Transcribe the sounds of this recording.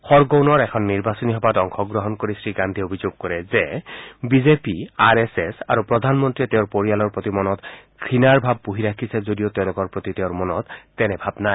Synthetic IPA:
xɔɹɡownɔɹɛkʰɔnːiɹbasɔniɦɔbatɔŋxʰɔɡɹɔɦɔnkoɹisɹiɡandʱiobʱizoɡ̚kɔɹɛzɛbizepiaɹɛsɛsa̰ɹupɹɔdʱanmɔntɹitɛʊ̃ɹpoɹijalɔɹpɹotimɔnɔtkʰɹinaɹbʱab̚ːuɦiɾakʰisɛzodijotɛʊ̃lʊkɔɹpɹot̪itɛʊ̃ɹmɔnɔtːɛnɛbʱabna

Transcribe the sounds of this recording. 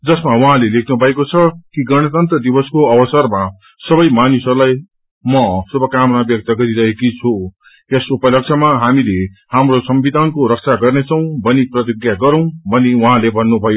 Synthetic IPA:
d͡zʌsmawʌɦãlelekʰnubʱʌekot͡sʰʌkiɡʌɽ̃ʌt̪ʌnt̪rʌd̪ibʌskoʌbʌsʌrma | sʌbʌjmanisʌɾulaj | mʌsubʱʌkamʌnabjʌk̚t̪ʌɡʌɾiɾʌɦekit͡sʰo | ʌsupʌlʌk̚t͡sʰʌmaɦamilehamrosʌmbid̪ʱankoɾʌk̚t͡sʰaɡʌrnet͡sʰʌw̃bʌniprʌt̪iɡjaɡʌɾʌw̃bʱʌniwʌɦãlebʱʌnːubʱʌjo

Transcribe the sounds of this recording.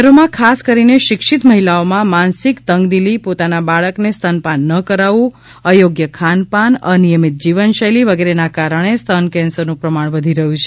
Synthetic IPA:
ɾomãkʰaskəɾineʃɪkʃit̪məɦilaomãmansikt̪əŋɡd̪ilipot̪anabaɭəknest̪ʰənpanːəkəɾaʋũ | əjoɡjəkʰanpanənijəmit̪̚d͡ʒiʋənʃəjliʋəɡeɾenakaɾəɳ̃est̪ʰənkɛ̃nsəɾnũpɾəmaɳ̃ʋəd̪ʱiɾəɦũt͡ʃʰe

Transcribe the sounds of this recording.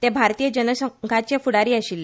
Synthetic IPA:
t̪ebʱaɾt̪iːjəd͡ʑənəsəŋɡʱat͡ɕefuɽaɾiːaɕilːe

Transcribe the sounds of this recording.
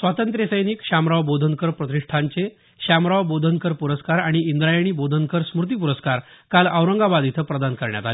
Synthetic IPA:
sʋat̪ənt̪ɾjesəjniːkɕamɾaʋbod̪ʱənkəɾpɾət̪iʂʈʰaɲt͡se | ɕamɾaʋbod̪ʱənkəɾpuɾəskaɾaɽ̃iind̪ɾajəɽ̃iːbod̪ʱənkəɾsmuɾt̪̬iːpuɾəskaɾkaləʋɾəŋɡabad̪it̪ʰəpɾəd̪ankəɾɳja̰t̪ale

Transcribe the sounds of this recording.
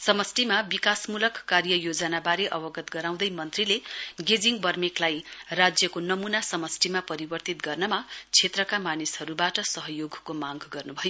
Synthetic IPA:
sʌmʌsʈimabikasmulʌkːarjʌjod͡zʌnabaɾeʔʌbʌɡʌt̪ɡʌɾaw̃d̪ʌjmʌnt̪rileɡed͡ziŋbʌrmiklajrad͡zjʌkonʌmunasʌmʌsʈimapʌɾibʌrt̪it̪ɡʌrnʌmat͡sʰet̪rʌkamanishʌɾubaʈʌsʌɦʌjoɡkomaɡɡʌrnubʱʌjo

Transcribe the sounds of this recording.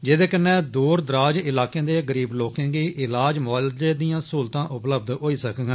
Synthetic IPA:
d͡ʒeːd̪eːkənːɛ̃ːd̪uːɾd̪ɾaːd͡ʒɪlaːkẽːd̪eːɡəɾiːbloːkẽːɡiːʔɪlaːd͡ʒmɔːld͡ʒeːd̪ijãːsuːlt̪ãːʔʊpləb̚d̪ɦoːiːsəkɡãː

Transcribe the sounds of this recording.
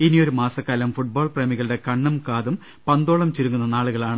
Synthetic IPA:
inio̞ɾumaːsɐkːaːlɐmfuʈ̚bo̞ːɭpremiɣɐɭɨɽe̞kɐɳːumkaːðum | pɐnd̪oːɭɐmt͡ɕiɾuŋːunːɐnaːɭuɣɐɭaːɳɨ

